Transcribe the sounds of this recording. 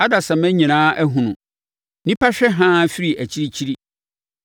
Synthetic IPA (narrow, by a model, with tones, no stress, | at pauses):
a˦da˨sã˨mæ̃˦ɲĩ˨nãː˦ʔæ˦ɦũ˨nʊ̃˨ | nĩ˦pa˦ɕᶣɛ˦ɦãː˦fi˦ɾi˨ʔæ˨t͡ɕʰi˦ɾi˦t͡ɕʰi˦ɾi˦